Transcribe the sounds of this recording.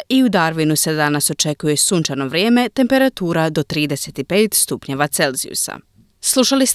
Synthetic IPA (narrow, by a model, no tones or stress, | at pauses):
iud̪aɾʋinuse̞d̪anaso̞t͡ʃe̞kuje̞suːnt͡ʃano̞ʋɾje̞ːme̞t̪e̞mpe̞ɾat̪uːɾad̪o̞t̪ɾiːd̪e̞se̞t̪ipe̞ːt̪st̪upɲe̞ʋat̪se̞lzḭṵsa̰ | slˠuʃalis